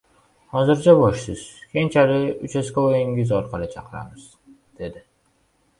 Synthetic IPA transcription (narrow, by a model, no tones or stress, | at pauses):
hɒzɪɾd͡ʒabɒʃsɪz̥kʲʰent͡ʃʰaɾɪʊt͡ʃʰaskʲaojɪŋɪzɒɾqʰɑlˠɪt͡ʃʰɑqʰɨɾa̰mɪz̥ | d̪̥e̞d̪ɪ